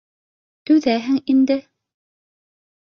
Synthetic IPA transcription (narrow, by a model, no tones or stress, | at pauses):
t̪ʉðæɦɘŋind̪ɘ